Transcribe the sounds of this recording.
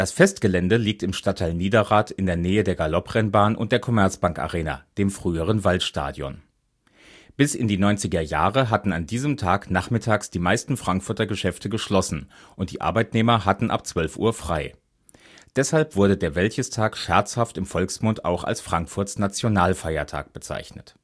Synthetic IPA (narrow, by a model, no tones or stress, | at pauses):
d̥asfɛst̚ɡ̥əlɛndəliːk̚tɪmʃtatʰaɪlniːdɐʁaːtɪndeːɐnɛːədeːɐɡalɔpʁ̥ɛnbaːnʔʊ̰ntd̥eːɐkʰɔmɛɐt͡sb̥aŋka̰ʁeːna̰d̥eːmfʁ̥yːəʁ̞ənvaltʃta̰ːdjɔ̰n | b̥ɪsɪ̰ndiːnɔʏnt͡sɪɡɐja̰ːʁəɦatn̩andiːzəmtʰaːknaχmɪtʰaːksd̥iːmaɪstn̩fʁ̥aŋkfʊɐtɐɡəʃɛftʰəɡəʃlɔsn̩ | ʔʊnt̚d̥ḭːʔa̰ɐbaɪtneːmɐɦatn̩ʔa̰pt͡sv̥œlfʔṵːɐfʁ̥aɪ | d̥ɛshalpv̥ʊɐɾədeːɐvɛlçəstʰaːkʃɛɐt͡shaftɪmfɔlksmʊnta̰ʊxa̰lsfʁ̥aŋkfʊɐtsnat͡sjonaːlfaɪɐtʰa̰ːk̚b̥ət͡sa̰ɪçnə̰t